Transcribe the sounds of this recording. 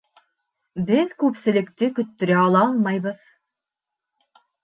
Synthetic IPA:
bɘðkʉpsɘ̆lɘ̆kt̪ɘkɵ̆t̪ːɵ̆ɾæɑlˠɑɑlˠmɑjβɤð

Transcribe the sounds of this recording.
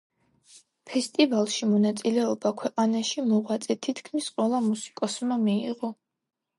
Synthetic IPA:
pʰɛst̪ʼivalˠʃimɔnat̪sʼilɛɔbakʰwɛqʼanaʃimɔʁwat̪sʼɛt̪ʰit̪ʰkʰmisqʼwɛlˠamusi̥kʼɔsmamiiʁɔ

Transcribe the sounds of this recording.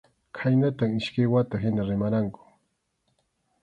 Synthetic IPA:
kʰajnat̪aŋɪʃkɪwat̪aɦɪnaɾɪmaɾaŋkʊ̥

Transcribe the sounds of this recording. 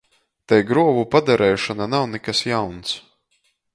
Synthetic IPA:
t̪ɛjɡɾuɔvupad̪aɾʔɛːʃananawnɛkasjawns

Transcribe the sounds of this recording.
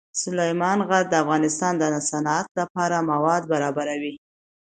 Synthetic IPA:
sʊlajmɑnɣaɾ̚d̪əafɣɑnɪst̪ɑnd̪əsanɑat̪lapɑɾamawɑd̪baɾɑbaɾawi

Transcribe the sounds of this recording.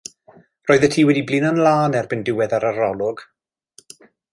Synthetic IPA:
rɔːɨðətʰiːwɛdiblɪnɔnlaːnɛrbɪndɪwɛðaɾarɔlˠʊɡ̥

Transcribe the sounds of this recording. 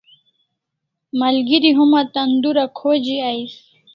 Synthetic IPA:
maɐlɡiɾiɦumat̪ɐnd̪uɾakʰod͡ʑiaj

